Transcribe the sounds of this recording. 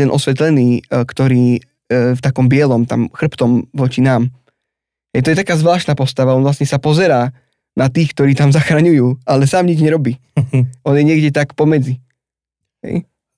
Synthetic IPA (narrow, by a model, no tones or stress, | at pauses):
ɛnʔɔsʋɛt̪lɛniːkt̪ɔɾiː | ft̪akɔmbɪɛlɔmt̪a̰mxr̩pt̪ɔmʋɔt͡ʃinaːm | ɦɛjt̪ɔjɛt̪akaːzʋlaːʃt̪naːpɔst̪aʋaɔnʋlastɲɛsapɔzɛɾaː | nat̪iːxk̚t̪ɔɾiːt̪amzaxɾaɲujuːʔalɛsaːmɲid͡ʒɲɛɾɔbiː | ʔɔnjɛɲɪɛɡɟɛt̪akpɔmɛd͡zi | ɦɛ̰j